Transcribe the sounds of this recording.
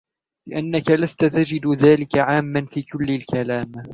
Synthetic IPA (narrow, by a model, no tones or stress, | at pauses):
lɪʔanːakalast̪at̪ad͡ʒɪd̪ðaːlɪkaʕaːmːanfiːkʊlːɪlkʰalaːm